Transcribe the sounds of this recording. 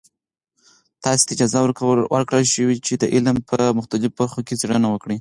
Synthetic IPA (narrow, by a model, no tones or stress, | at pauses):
t̪ɑse̥t̪aɪd͡ʒɑzawəɾwəɾkɽəlʃəwit͡ʃed̪əʔɪlmpʰəmʊxt̪alɪfobaɾxoket͡seɽənawəkɽi